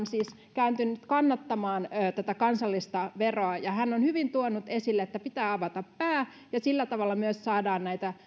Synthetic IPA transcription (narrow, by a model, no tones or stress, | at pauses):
nsiːs | kæynt̪ynyt̪kɑnːɑt̪ːɑmɑːnːt̪æt̪ækɑnsɑlːist̪ɑʋeroɑjɑhænːonhyʋint̪uonːut̪esilːeet̪ːæpit̪æːɑʋɑt̪ɑppæː | jɑsilːæt̪ɑʋɑlːɑmyøssɑːdɑːnnæit̪æ